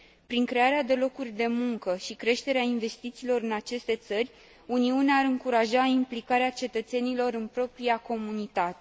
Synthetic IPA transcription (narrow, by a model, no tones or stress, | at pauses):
pɾiŋkɾe̞aɾead̪e̞lo̞kurʲd̪e̞muŋkəʃikɾe̞ʃt̪e̞ɾeainve̞st̪it̪siːlo̞ɾɨnat͡ʃe̞st̪e̞t̪sərʲ | uniuneaaɾɨŋkuɾaʒaimplikaɾeat͡ʃe̞t̪ət̪senilo̞ɾɨnpɾo̞pɾiako̞munit̪at̪e